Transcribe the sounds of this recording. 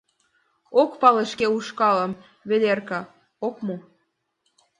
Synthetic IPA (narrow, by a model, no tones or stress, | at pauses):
okpɑleʃkeuʃkɑlə̆m | βed̪erkɑ | okmo